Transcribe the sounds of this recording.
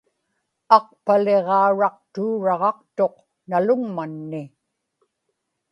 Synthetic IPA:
ɑq̚pale̞ʁɑːɻɑq̚t̪uːɻɑʁɑqt̪o̞q | nalʊŋmanːɪ

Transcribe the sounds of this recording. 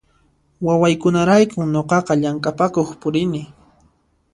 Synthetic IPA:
wawajkʊnaɾajkʊmɲoqɑqɑʎaŋkʼapakoχpʊɾɪnɪ

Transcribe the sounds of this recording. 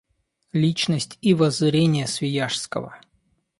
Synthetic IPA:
lʲit͡ɕnəsʲtʲivɐzɾʲenʲɪjəsvʲɪjaʂskə̰və̰

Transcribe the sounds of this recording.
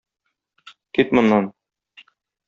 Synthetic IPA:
kit̪mŏnːɑn

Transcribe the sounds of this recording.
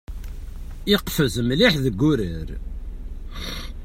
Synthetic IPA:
ɪqfəzmliħðəɡːuɾəɾ

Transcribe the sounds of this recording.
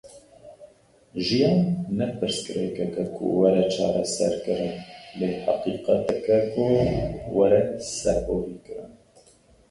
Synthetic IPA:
ʒijɑːnːɛpɨɾskɨɾɛkɛkɛkʰṵwɛɾɛt͡ʃʰɑːɾɛsɛ̰ɾkɨɾɨnleːħɑ̰qiːqɑt̪ɛkɛkʊwɛɾɛsɛɾboːviːkɨɾɨ̰n

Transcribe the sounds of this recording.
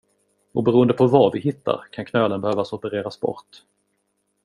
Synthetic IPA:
ɔbɛɾuːənd̪əpʰɔvavɪhɪt̪ʰːa̰ɾkʰankʰnœːlənbɛhøːvasɔpəɾeːɾasbɔ̰ɾt̪

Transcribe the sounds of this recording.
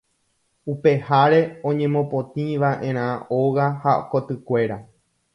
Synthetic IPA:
upe̞haɾe̞õ̞ɲẽ̞mõ̞põ̞t̪ĩʋaʔẽ̞ɾ̃ãoɣahakot̪ɨkʷe̞ɾa

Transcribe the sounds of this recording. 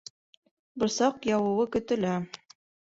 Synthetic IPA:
bŏɾsɑqjɑwɤ̆wɤkɵ̆t̪ɵ̆læ

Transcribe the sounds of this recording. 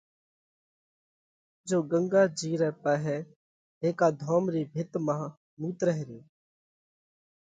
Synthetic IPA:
d͡ʒoːɡə̃ŋɡaːd͡ʒiːɾɛːpɛːɦɛː | ɦeːkaːd̪ʱɔːmɾiːbʱɪt̪mãː | muːt̪ɾəɦɾiː

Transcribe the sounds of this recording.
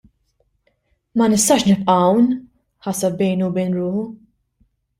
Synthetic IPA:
mɐnɪst̪ɐːʃnɪpʔɐɐwn | ħɐsɐb̚bɛjnubɛjnɾʊːħu

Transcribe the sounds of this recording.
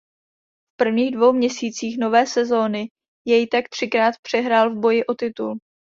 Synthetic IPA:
fpr̩vɲiːɣdvo̞wmɲɛsiːt͡siːxno̞vɛːsɛzo̞ːnɪ | jɛjt̪akt̪r̥ɪkɾaːt̪pr̝̥ɛɦɾaːlvbo̞jɪʔo̞t̪ɪt̪ul

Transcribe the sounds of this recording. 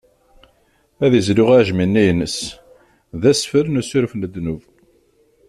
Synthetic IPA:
æðizlʊʁaʕʒminːæjnːəs | ðæsfəɾnusʊɾfnəd̪ːnuv

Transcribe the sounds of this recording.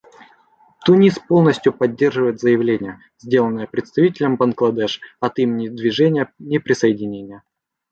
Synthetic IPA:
t̪ʊnʲispo̞lˠnəsʲtʲjʊpɐdʲːerʐɨvəjɪt̪zəjɪvlʲenʲɪjə | zʲdʲe̞lˠənːəjəpɾʲɪt̪st̪ɐvʲitʲɪlʲəmbɐnɡlˠɐd̪ɛʂɐt̪imʲɪnʲɪd̪vʲɪʐɛnʲɪjənʲɪpɾʲɪsəjɪdʲɪnʲenʲɪjə

